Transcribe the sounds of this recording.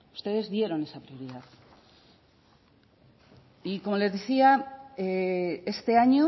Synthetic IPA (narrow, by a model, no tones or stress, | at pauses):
u̥st̪e̞ðe̞zðje̞ɾo̞ne̞sapɾio̞ɾiðað | iko̞mo̞le̞zðeθiaee̞st̪e̞aɲo